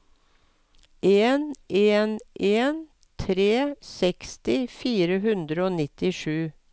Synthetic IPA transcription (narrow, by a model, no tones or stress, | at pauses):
ʔeːneːnʔeːn | t̪ʰɾeːsɛkst̪ɪfiːɾəɦʉnd̪ɾəoːnɪt̪ɪʃʉː